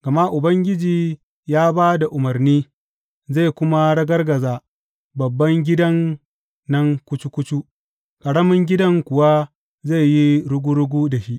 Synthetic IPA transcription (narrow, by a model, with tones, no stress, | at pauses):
ɡ̥ɐ˨ma˦ʔʊ˨bɐ˦ŋɡʲɪ˦d͡ʒiː˨ | jaː˦baː˦da˨ʔʊ˨mɐ˨rniː˦ | za˦˨kʷʊ˦ma˦ɽɐ˦ɡɐ˦rɡɐ˨zaː˨ | bɐ˨bːɐ˦ŋɡʲɪ˦dɐ˦ŋː | ɐ˦ŋkʷʊ˦t͡ʃu˦kʷʊ˦t͡ʃu˦ | kʼɐ˨ɽɐ˦mɪ˦ŋɡʲɪ˦dɐ˦ŋkʷʊ˨wa˦ | za˦˨jji˦ɽʊ˦ɡʷu˦ɽʊ˦ɡʷuː˦da˨ʃi˦ʔ